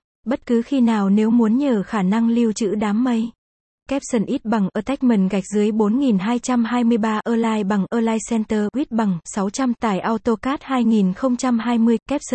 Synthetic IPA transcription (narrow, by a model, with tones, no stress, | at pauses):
ɓə˦˥t̚kɨ˨˦xi˧naː˨˩wne˨˦wmu˨˦ənɲəː˨˩xaː˧˩na˧ŋli˧əwt͡ɕɨ̰˧˥ɗaː˨˦mːə˧j | kɛ˦˥p̚sə˧˩nʔi˦˥t̚ɓa˨˩ŋʔəː˧˩t̪a˦˥jk̟̚mə˨˩nɣa˨˩jk̟̚zɨ˨˦əjɓo˨˦nŋi˨˩nɦaː˧jt͡ɕa˧mɦaː˧jmɨ˧əjɓaː˧ʔəː˧laː˧jɓa˨˩ŋʔəː˧laː˧jsɛ˧nt̪əː˧ɣwi˦˥t̚ɓa˨˩ŋsa˨˦wt͡ɕa˧mt̪a̰ː˧˩jʔaː˧wt̪o˧kaː˦˥t̚haː˧jŋi˨˩nxə˧wŋ͡mt͡ɕa˧mɦaː˧jmɨ˧əjkɛ˦˥p̚sə˧˩